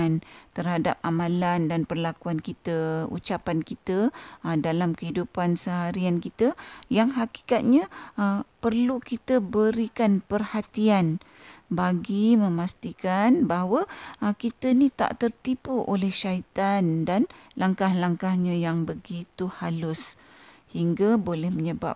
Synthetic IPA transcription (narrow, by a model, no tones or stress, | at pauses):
nt̪ərhadap̚amãlandanpərlakuankit̪əṵt͡ʃapankit̪ədalamkəɦidupansəɦaɾiankit̪əjaŋɦaki̥kat̪̚ɲãəpərlukit̪əbəɾikanpərhat̪ian | baɡimə̃mast̪ikanbaɦwəkit̪ənĩt̪a̰ʔt̪ərt̪ipuʔolɛhʃait̪andanlaŋkahlaŋkahɲãjaŋbəɡit̪uhalʊs | hiŋɡabolɛhməɲəba̰p̚